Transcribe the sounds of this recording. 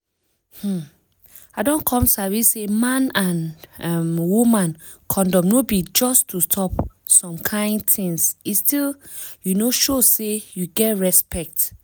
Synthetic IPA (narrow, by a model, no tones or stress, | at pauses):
h̩ | aɪdɔ̃nkʰɔ̃msavisemãnãnamwumãn | kʰɔ̃ndɔ̃mnobid͡ʒɔstustʰɔpsɔ̃mkʰãɪ̃nd̚tʰĩŋsistiljunoʃosejuɡɛtɹɛspɛk̚t